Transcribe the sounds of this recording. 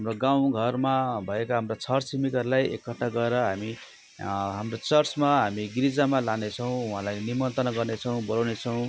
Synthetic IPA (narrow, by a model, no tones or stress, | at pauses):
ɦamroɡaw̃ɡʱʌrmabʱʌekaɦamrot͡sʰʌrsimikʌrlajekːʌʈːaɡʌeɾʌɦami | ɦamrot͡sʌrsmaɦamiɡiɾid͡zamalanet͡sʰʌw̃uɦãlajnimʌnt̪ʌnʌɡʌrnet͡sʰʌw̃bʌlawnet͡sʰʌw̃